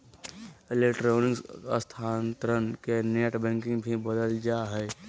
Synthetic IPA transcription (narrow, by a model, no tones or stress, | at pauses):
elekʈɾoːnɪksəst̪ʰaːnt̪ɾənkeneːʈbɛ̃ŋkɪ̃ŋɡbʱibəd̪əld͡ʒaːɦɛː